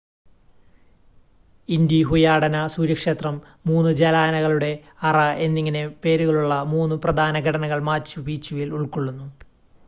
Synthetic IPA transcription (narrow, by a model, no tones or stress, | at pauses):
ind̪jiɦujaːɽɐnɐsuːɾɐkʂe̞ːt̪rɐmː | uːnːɨd͡ʑelaːnɐɣɐɭuɽe̞ | ɐrɐe̞nːiŋːɐne̞pe̞ːɾuɣɐɭuɭːɐmuːnːuprɐd̪ʱaːnɐɡʱɐɽɐnɐɣɐɭmaːt͡ɕːubiːt͡ɕːuʋiluɭkoɭːunːu